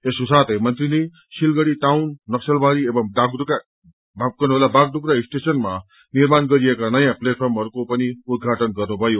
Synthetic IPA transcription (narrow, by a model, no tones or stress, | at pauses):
eskosat̪ʰʌjmʌnt̪rine | silɡʌɽiʈawnːʌksʌlbʱaɾiebʌŋɖaɡduk | bʱab̚kʌnɦolabaɡ̚duɡɾaisʈesʌnma | nirmanɡʌɾijekanʌjãpleʈ̚pʰʌrmɦʌɾukopʌniud̪̚ɡʱaʈʌnɡʌrnubʱʌjo